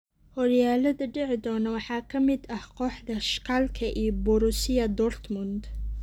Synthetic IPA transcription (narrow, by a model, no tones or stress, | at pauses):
hɔɾjaːlɐðɐɖɛʕɪd̪ɔːnɐwɑħɑːkʰɐmɪd̪ɐhqɔːħd̪ɐʃkʰalkʰɐʔiːbʊɾʊsɪjɐd̪ɔrt̪ʰmʊnd̪